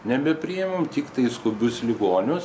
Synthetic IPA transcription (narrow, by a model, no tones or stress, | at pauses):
nʲɛbʲɛpʲɾʲɪɛmomt̪ʲɪkt̪ɐɪskʊbʲʊslʲɪɡoːnʲʊs